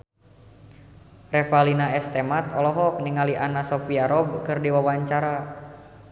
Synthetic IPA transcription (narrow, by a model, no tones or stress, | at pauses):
rɛfalinaɛst̪ɛmat̪ɔlɔɦɔk̚niŋaliʔanasɔfiaɾɔb̚kɨrdiwawaɲt͡ʃaɾa